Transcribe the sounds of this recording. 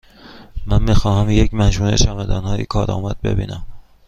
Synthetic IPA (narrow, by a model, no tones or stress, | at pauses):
mænmiːxɒːhæmjecmæd͡ʒuːnḛʃæmæd̪ɒːnhɒːjḭkʰɒːɾɒ̰ːmæd̪̚be̞̰bḭːnæm